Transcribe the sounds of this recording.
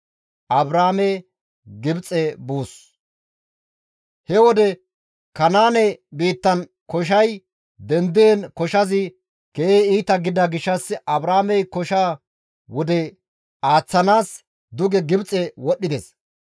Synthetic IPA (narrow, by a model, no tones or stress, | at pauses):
ʔɐbɾaːme | ɡɪbt͡sʼɛbuːs | hɛwɔd̪ɛ | kɐnaːnɛbiːt̪ːɐn | kɔʃ̬ɐj | d̪ɛnd̪ɪenkɔʃɐzɪ | keːeiːt̪ɐɡɪd̪ɐɡɪʃːɐsɐbɾaːmɛjkɔʃaː | wɔd̪ɛ | aːt͡sːɐnaːs | d̪ʊɡɛɡɪbt͡sʼːɛwɔɗːɪd̪es